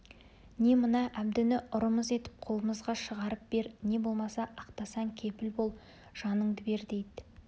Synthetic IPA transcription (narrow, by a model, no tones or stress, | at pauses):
ne̞mənɑʔæbd̪ɪnɪʔʊɾəməze̞t̪ɪ̥p̚qʰo̞lˠəməzʁɑʃəʁɑɾəp̚be̞ɾne̞bo̞lˠmɑsɑʔɑqt̪ɑsɑŋkʲʰe̞pɪlbo̞lˠ | ʒ̥ɑnəɴd̪əbe̞ɾd̪e̞jd̪ɪ